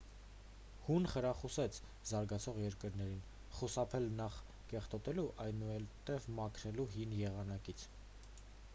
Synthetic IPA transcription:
hunχəɾɑχusɛt͡sʰ | zɑɾɡɑt͡sʰɔʁjɛɾkəɾnɛɾin | χusɑpʰɛlnɑχ | kɛχt̪ɔt̪ɛluʔɑjnuɛlt̪ɛvmɑkʰɾɛluɦinjɛʁɑnɑkit͡sʰ

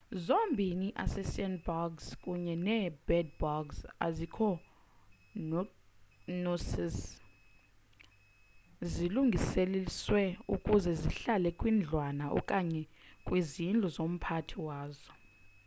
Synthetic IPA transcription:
zombʱiniʔa̰sɛsandbɔɡskʼuɲɛnɛbɛd̚bɔɡsa̰zikʰɔ | nuss | ziluŋɡʱiseliswɛṵkʼuzɛziɬalɛkʼwiːnd͡ɮʱwanaʔɔ̰kʼaɲɛkʼwizind͡ɮʱɔzom̩pʰatʰiwaːzɔ

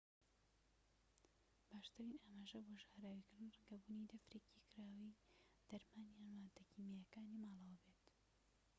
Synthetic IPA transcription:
b̥aːʃt̪aɾinaːmaːʒɐboʒaːɾaːwikɨɾd̪ɨnrɛŋɡɐbunid̪ɐfɾeːcikʰɨɾaːwi | d̪̥ɐɾmaːnjanwaːt̪ɐkimejɐkaːnimaːlˠɐwɐbet̪

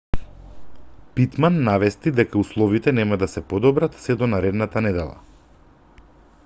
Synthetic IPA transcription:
pit̪manːavɛst̪id̪ɛkauslˠɔvit̪ɛnɛmad̪asɛpɔd̪ɔbɾat̪sɛd̪ɔnaɾɛd̪nat̪anɛd̪ɛlˠa̰

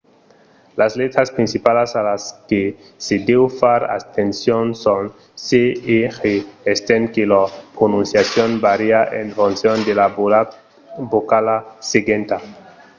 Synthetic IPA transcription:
lazlet̪ɾaspɾinsipalasalaske | sed̪ewfaɾa̰st̪ensjonson | seexeest̪eŋkelapɾonũnsjasjonbaɾiaʔeɱfunsjond̪ela | bokalaseɡent̪a

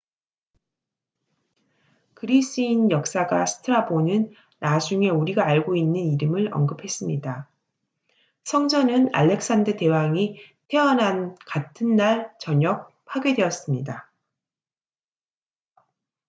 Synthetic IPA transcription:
kɯɾis͈ɯinjʌk̚s͈aɡa̰sʰɯ̥tʰɯɾabonɯnː | ad͡ʑuŋe̞uɾiɡaːɭɡoinːɯniɾɯmɯɭʌ̰ŋɡɯpʰe̞s͈ɯmɲida | sʰʌŋd͡ʑʌnɯna̰ʎːe̞k̚s͈andɯte̞waŋi | tʰe̞ʌnɦankatʰɯnːaɭt͡ɕʌɲʌk̚ | pʰaɡjedwe̞ʌs͈ɯmɲida

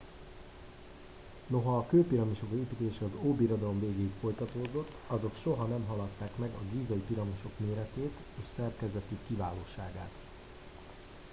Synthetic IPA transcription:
no̞ɦɒːkøːpiɾɒmiʃo̞keːpit̪eːʃɛɒzoːbiɾo̞d̪ɒlo̞mveːɡeːikfo̞jt̪ɒt̪oːd̪o̞t̪ːɒzo̞kʃo̞ɦɒnɛmɦɒlɒt̪ːaːkmɛɡɒɡiːzɒjipiɾɒmoʃo̞kmeːɾɛt̪eːt̪ | eːʃsɛrkɛzɛt̪ikːivaːloːʃaːɡaːt̪

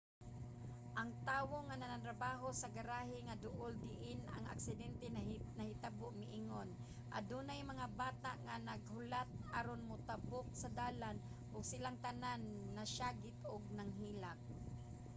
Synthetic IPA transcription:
ʔaŋt̪aːwoŋananant̪ɾabaːɦosaɡaɾaːɦɪŋad̪ʊʔʊld̪ɪʔɪna̰ŋa̰ksɪd̪ɛnt̪ɛnahɪt̪aboʔmɪʔiŋon | ʔa̰d̪unajmɐŋabaːt̪a̰ʔŋanaɡ̚hʊlat̪̚aɾonmʊt̪abʊk̚sad̪aːlan | ʔʊɡsɪlaŋt̪ananːaʃaːɡɪt̪ʔʊɡ̚naŋɦiːlak̚

